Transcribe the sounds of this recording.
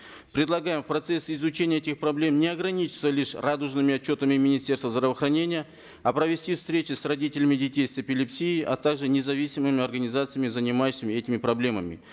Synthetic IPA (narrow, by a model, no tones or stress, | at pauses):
pɾʲɪd̪lˠɐɡajɪmfpɾɐt̪sesʲɪzʊt͡ɕenʲɪjəɛtʲɪxpɾɐblʲe̞mnʲɪɐɡɾɐnʲit͡ɕɪ̥t̪səlʲiʂrad̪ʊʐnɨmʲɪɐt͡ɕːo̞t̪əmʲɪmʲɪnʲɪsʲtʲe̞rst̪vəzd̪ɾəvəxɾɐnʲenʲɪjə | ɐpɾəvʲɪsʲtʲifst̪ɾʲet͡ɕɪsrɐdʲitʲɪlʲɪmʲɪdʲɪtʲejsɪpʲɪlʲɪpsʲiːʔɐ̰t̪aɡʐɨnʲɪzɐvʲisʲɪmɨmʲɪɐrɡənʲɪzat̪sɨjəmʲɪzənʲɪmajʉɕːɪmʲɪɛtʲɪmʲɪpɾɐblʲe̞məmʲɪ̰